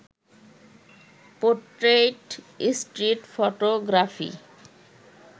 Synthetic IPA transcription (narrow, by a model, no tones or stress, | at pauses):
poʈɾeʈ | isʈɾiʈfoʈoɡɾafḭ